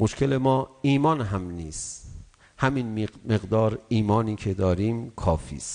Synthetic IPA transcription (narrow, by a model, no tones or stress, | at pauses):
moʃkʰele̞mɒːiːmɒːnɦæmniːs | hæminme̞ɣd̪ɒːɾiːmɒːniːkʰe̞d̪ɒːɾiːmkʰɒːfḭːst̪